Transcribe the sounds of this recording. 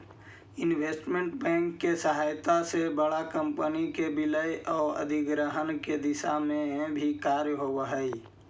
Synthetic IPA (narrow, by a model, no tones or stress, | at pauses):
ɪnweːsʈmẽɳʈbɛ̃ːŋkːesəɦaːjt̪asebəɽakə̃mpənikebɪləjʔɔːɾə̰d̪ʱɪɡɾəɦənked̪ɪʃamẽbʱikaːɾjəɦoəɦəi